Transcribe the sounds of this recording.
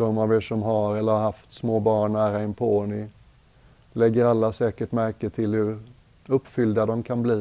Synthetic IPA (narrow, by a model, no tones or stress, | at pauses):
d̪̥ɔmaveːʂɔmɦaɾɛlːəhaɦaft̪smoːbɑːɳːæːɾaɛnpʰoːɳɪ | lɛɡːəɾalːasɛːkəʈmæɾkət̪ʰɪlhɵɾ | ɵpːfʏld̪ad̪ɔmkʰanbliː